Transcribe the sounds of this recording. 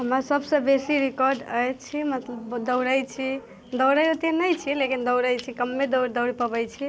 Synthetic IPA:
ɦəmɾasəbsə̃besiɾikɔɾɖəjt͡ʃʰimət̪ləbd̪əwɾəjt͡ʃʰi | d̪əwɾəjɾət̪enəjt͡ʃʰilekind̪əwɾəjt͡ʃʰikəmːed̪əwɾd̪əʊɽipəbət͡ʃʰi

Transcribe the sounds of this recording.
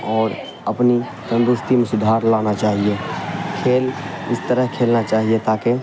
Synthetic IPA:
ɔːɾ | əpni | sə̃nd̪ɾʊst̪imẽsʊd̪ʱaɾlanat͡ʃaːɦijekʰeːlɪst̪əɾəɦkʰelnat͡ʃaːɦiet̪ake

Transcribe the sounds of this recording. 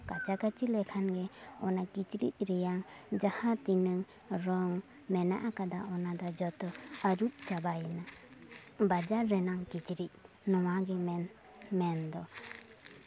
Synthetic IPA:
kat͡ʃakat͡ʃilɛkʰanɡɛɔ̰nakit͡ʃɾḭt̚ɾɛjaŋd͡ʒahat̪ːiŋnɯŋ | ɾɔŋ | mɛna̰ʔakad̪aɔnad̪ad͡ʒɔt̪ɔaɾut̚t͡ʃabajɛna | bad͡ʒaɾɛnaŋkit͡ʃiɾit̚ | nɔwaɡɛm | mɛnd̪ɔ

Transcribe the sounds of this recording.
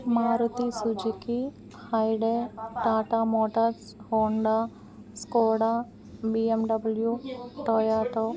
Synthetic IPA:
maːɾut̪isud͡ʒiki | hɐjɖeʈaːʈamoːʈɐɾshoːɳɖa | skoːɽa | biemɖɐbɐljuʈoːjaːʈo

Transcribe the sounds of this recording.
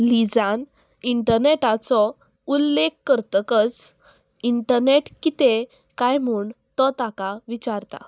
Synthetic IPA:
lid͡zan | iɳʈəɾneʈat͡sɔ | ulːekːəɾt̪əkət͡s | iɳʈəɾneʈkit̪e | kajm̤uːɳ | t̪ɔt̪akaʋit͡ɕaɾt̪a̰

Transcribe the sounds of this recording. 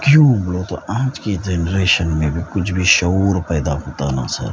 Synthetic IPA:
kjũblot̪oãːd͡ʒked͡ʒenɾeːʃənmẽbʱikʊt͡ʃʰbʱiʃəuɾpəɪd̪aɦõːt̪ana̰sə̰ɾ

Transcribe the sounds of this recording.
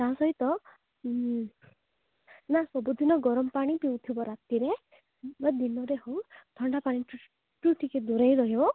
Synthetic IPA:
t̪aɦãsɔɦit̪ɔ | nasɔbud̪ʱinɔɡɔɾɔmpaɽ̃ipiwt̪ʰibɔɾat̪iɾe | bad̪inɔɾeɦowd̪̥ʰʱɔɳɖapaɽ̃i | ʈuʈiked̪uɾejɾɔɦiɔ

